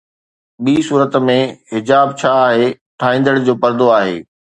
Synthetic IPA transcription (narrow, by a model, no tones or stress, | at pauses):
ɓiːsuːɾət̪mẽɦɪd͡ʑaːbt͡ɕʰaːɦeː | ʈʰaːĩːnd̪əɽd͡ʑoːpɐɾd̪oaːɦḛː